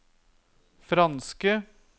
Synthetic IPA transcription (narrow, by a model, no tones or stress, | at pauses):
fɾɑnskə